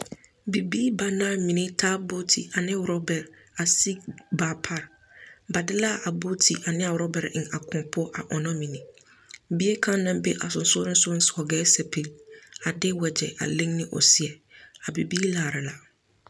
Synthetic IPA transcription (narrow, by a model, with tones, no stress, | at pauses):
bi˨biː˦ba˨nã˦˨mĩ˨nĩ˦tʰaː˦bo˦tʰi˨a˨nɪ̃˦ɾɔ˦bɛ˨ɾ | a˨si˦baː˨pʰa˦ɾ | ba˨dɪ˦la˦˨ʔa˨bo˦tʰi˨ʔa˨nɪ̃˦a˨wɾɔ˦bɛ˨ɾɪ̃˨a˨kʰʊ̃˨pʰʊ˦ɔ˦ʔa˨ʔɔ˨nɔ̃˦mĩ˨nĩ˨ | bi˦e˦kʰã˦nã˦m˦be˦ʔa̰˨sʊ̃˨n̩˨sʊ˦ɔ˦ɾɪ̃˦sʊ˦n̩˦sɔ˨ɡɛː˦sɛ˨pʰi˨la˨dɪ˦wɛ˨d͡ʑɛ̰˨ʔa̰˨lɪ̃˦ŋnɪ̃˦ʔɔ̰˨si˦˨ɛ˨a˨bi˨biː˦laː˨ɾɪ˨la˨